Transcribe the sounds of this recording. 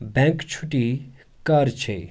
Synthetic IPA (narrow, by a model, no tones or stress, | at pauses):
bɛ̃ŋkt͡ʃʰuʈi | kɐɾt͡ʃʰḛ